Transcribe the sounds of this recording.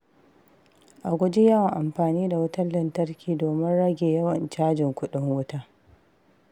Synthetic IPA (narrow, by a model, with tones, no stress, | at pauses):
ʔa˨ɡʷʊ˦d͡ʒe˦jɐ˦wɐ˨ŋʔa˨mɸaː˨niː˦da˨wʊ˦tɐ˦llːɐ˨ntɐ˦rkʲiː˨doː˨mɪ˦nɽɐ˦ɡʲeː˨jɐ˦wɐ˨nt͡ʃaː˦d͡ʒɪ˨ŋkʷʊ˦ɗɪ˦ŋwʊ˦taː˦